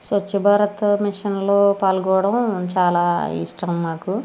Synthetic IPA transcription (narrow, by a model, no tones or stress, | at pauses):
sʋɐt͡ʃːibʱaːɾɐt̪miʂɐnloːpaːlɡɔːɐɽɐmt͡ʃaːlaːḭʂʈɐmːaːku